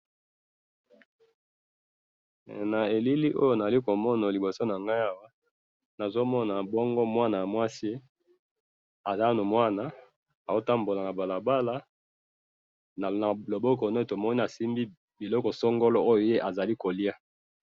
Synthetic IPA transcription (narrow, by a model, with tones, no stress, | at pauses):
na˨e˨li˦li˦ʔo̰˦jo˦˨na˨za˨i˦ko˨mɔ˦na˨li˨bo˨so˦na˨ŋɡa˦ja˦wa˦ | na˨zo˦mɔ˦na˨bɔ˦ŋɡo˦mwa˦na˨ja˨mwa˦si˦ | a˨za˦no˨mwa˦na˨ | a˨o˦ta˦mbo˨la˨na˨ba˨la˨ba˦la˦ | na˨na˨lo˨bɔ˦k̬ɔ˨no˦˨to˨mɔ˦ni˦na˨si˦mbi˦ | bi˨lɔ˦kɔ˨so˦ŋɡo˦lɔ˦o˦jo˨je˦ʔa˨za˨li˦ko˨li˦a˦